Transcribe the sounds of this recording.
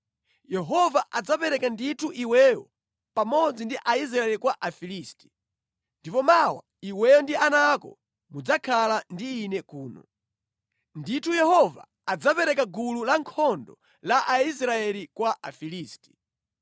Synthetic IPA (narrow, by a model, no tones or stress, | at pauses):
jɛɦɔvaʔad͡zapɛɾɛkanditʰuʔiwɛjɔ | pamɔd͡zindiʔais̬ɾaɛlikwaʔafilisti̥ | ndipɔmawa̰ | iwɛjɔndianakɔ̰ | mud͡zakʰalandiːnɛkuːnɔ̰ | nditʰujɛhɔva̰ | ad͡zapɛɾɛkaɡululaŋkʰɔndɔ | laʔais̬ɾaɛlikwaʔafiliːsti̥